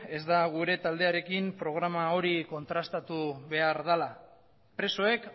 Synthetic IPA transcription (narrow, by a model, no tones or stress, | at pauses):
e̞zd̪aɣ̞uɾe̞t̪ald̪e̞aɾe̞kimpɾo̞ɣ̞ɾamao̞ɾiko̞nt̪ɾast̪at̪uβe̞aɾðala | pɾe̞so̞e̞k